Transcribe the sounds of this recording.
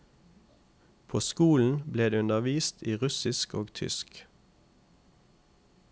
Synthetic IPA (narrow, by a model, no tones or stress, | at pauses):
pʰoːskuːln̩bleːd̪eːʉnəʋiːst̪ʰiːʁʉsɪsko̰ːɡt̪ʰʏ̰sk